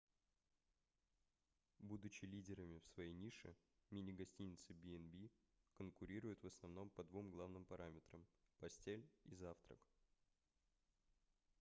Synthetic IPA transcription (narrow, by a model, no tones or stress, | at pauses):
bud̪ʊt͡ɕɪlʲidʲɪɾəmʲɪfsvɐjejnʲiʂɨ̰ | mʲinʲɪɡɐsʲtʲinʲɪt̪sɨbʲiɛnbʲi | kənkʊɾʲiɾʊjʊt̪vəsnɐvn̪o̞mpɐd̪vumɡlˠavnɨmpɐɾamʲɪt̪ɾəmpɐsʲtʲelʲizaft̪ɾə̰k